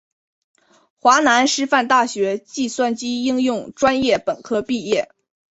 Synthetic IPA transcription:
xwa˧˥na˧˥nʂɻ̩˥fa˥˧nt̪a˥˩ɕɥɛ˧˥t͡ɕi˥˧swa˥˩nt͡ɕi˥i˥ŋjʊ˥˩ŋʈ͡ʂwa˥njɛ˥˩pə˨˩nkʰɤ˥pi˥˧jɛ˥˩

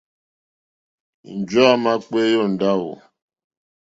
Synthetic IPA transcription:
n̩˨d͡ʒɔ˦a˦ma˦k͡pe˦jɔ˦˨n̩˨da˦˨wɔ̰˨

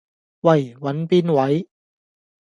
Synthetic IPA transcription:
wɐ˨˩jwɐ˨˥npiː˥nwɐ˨˥j

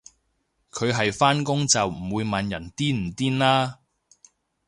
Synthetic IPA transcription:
kʰɵ˨˧ɥɦɐ˨jfaː˥nkʊ˥ŋt͡sɐ˨wm̩˨˩wuː˨˧jma˨˧njɐ˨˩nt̪iː˥nm̩˨˩t̪iː˥nlaː˥

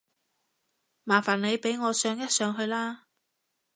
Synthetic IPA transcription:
maː˨˩nfaː˨˩nne˨˧jpe˨˥jŋɔː˨˧sœː˨˥ŋjɐ˥t̚sœː˨˧ŋɦɵ˧ɥlaː˥

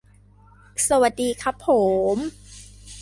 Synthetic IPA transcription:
sa˧wa˨˩t̪̚diː˧kʰa˦˥pʰːo˩˦m

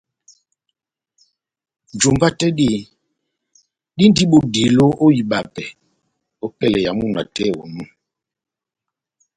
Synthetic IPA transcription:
d͡ʒu˨mba˦tɛ˦di˦˨ | di˦n˦di˦ɓo˨di˨lo˦ʔo˦ji˨ɓa˨pɛ˨ | o˦pɛ˦lɛ˨ja˨mu˦˨na˨tɛ˦˨wɔ̰˨mu˦˨

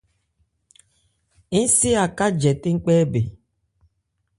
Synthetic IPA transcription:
i˦si˦a˨ka˦d͡ʒɛ˨ti˦ŋ̩˦k͡pɛː˦be˨

